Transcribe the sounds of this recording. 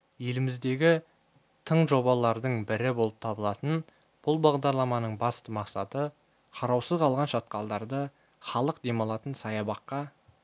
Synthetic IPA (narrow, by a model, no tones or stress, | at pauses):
je̞lɪmɪzd̪e̞ɡʲɪ | t̪ʰəɴʒo̞bɑlˠɑɾd̪əɴbɪɾɪbo̞lˠəp̚t̪ʰɑbəlˠɑt̪ən | b̥ʊlˠbɑʁd̪ɑɾlˠɑmɑnəɴbɑst̪əmɑqsɑt̪ə | qʰɑɾɑwsəzqʰɑlˠʁɑnʃɑt̪̚qɑlˠd̪ɑɾd̪ə | χɑlˠəqd̪e̞mɑlˠɑt̪ənsɑjɑbɑqːɑ